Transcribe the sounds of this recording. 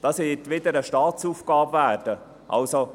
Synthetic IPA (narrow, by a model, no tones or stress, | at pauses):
d̥ɑsɪɪtʋɪd̪əɾəʃtɑːt͡suːfɡ̥ɑːbvæːrd̥ə | ʔɑ̰lso